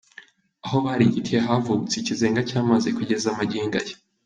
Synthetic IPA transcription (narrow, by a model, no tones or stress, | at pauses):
aɦo̞βaɾiɟitieɦavuβut͡secize̞ːŋɡacaːmazekuɟe̞zamaɟiːŋɡa̰je